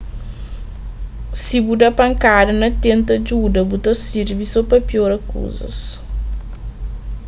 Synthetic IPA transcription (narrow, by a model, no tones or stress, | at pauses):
sibud̪ɐpɐŋkadɐnɐt̪ent̪ɐd͡ʒudɐbut̪ɐsiɾbisopɐpjoɾɐkṵzɐ̰s